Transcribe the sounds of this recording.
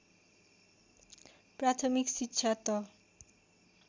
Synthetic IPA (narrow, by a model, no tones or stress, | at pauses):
pɾat̪ʰomikʃitːɕʰat̪ɔ